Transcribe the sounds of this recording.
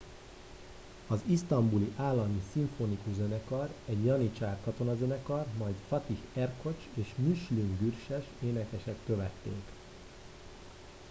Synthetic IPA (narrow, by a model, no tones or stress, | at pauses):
ɒzist̪ɒmbuliʔaːlːɒmisiɱfonikuzønɛkɒrɛɟjɒnit͡ʃaːrkɒt̪o̞nɒzønɛkɒrmɒjt̪fɒt̪ihɛrko̞t͡ʃeːʃmyʃlyŋɡyrʃɛʃeːnɛkɛʃɛkːø̞vɛt̪ːḛːk